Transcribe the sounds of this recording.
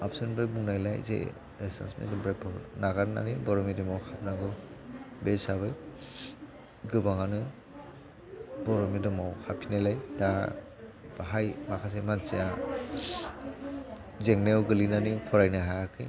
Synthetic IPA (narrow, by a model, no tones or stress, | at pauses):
apsɯnbɾajbuŋnajla̰jzḛ | esa̰nsmḛdɯmbɾapʰɔɾnaɡaɾna̰nibɔɾɔmidɯmawhap̚naɡɯ | besaβɯj | ɡɯbaŋanɯ | bɔɾɔmidɯmawhapʰinajlajda | b̥aɦajmakʰas̬emanseja | zeŋnewɡɯlinanipʰɔɾajnaɦajakʰɯj